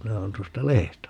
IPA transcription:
minæ oːn tuostɑ lehestæ

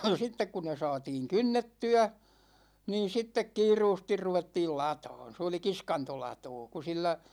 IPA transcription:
sitːek ku ne sɑːtiːŋ kynːetːyæ niːn̞ sitːek kiːruːstir ruʋetːiːl lɑtɑ̝ːn̞ s oli kiskɑntolɑtoː ku silːæ

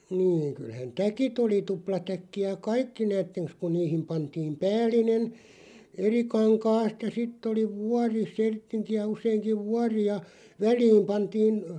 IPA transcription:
niːŋ kylhæn tækit oli tuplɑtækːiæ kɑikːi næːtːeŋks kun̆ niːhim pɑntiːm pæːlˑinen eri kɑŋkɑːst jɑ sitː oli ʋuɑri sertːiŋkiæ useiŋkiʋ̆ ʋuɑri jɑ ʋælˑiːm pɑntiːn

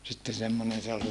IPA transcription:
sitːe semːonen se ol

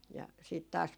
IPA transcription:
jɑ siːt tɑːs

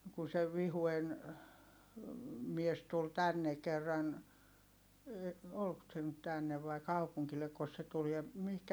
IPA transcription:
kun se ʋihuen mies tul tænːe kerːɑn olk se nyt tænːeʋ ʋɑi̯ kɑupuŋkilːekːos se tul jɑ mihkæ

